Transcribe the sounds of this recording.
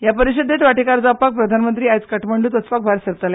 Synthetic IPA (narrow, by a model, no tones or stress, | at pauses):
japəɾiɕəd̪ːet̪ʋaʈʰekaɾd͡zapak̚pɾəd̪ʱanmənt̪ɾiːajt͡skəʈʰməɳɖuːt̪ət͡spak̚bʱaɾsəɾt̪ala